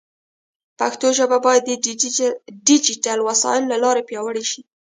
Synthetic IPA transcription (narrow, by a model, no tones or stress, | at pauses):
paxt̪oʒəbabɑjad̪ːə | ɖid͡ʒiʈalwasɑ̰ɪlːalɑɾepjɑwəɽeʃi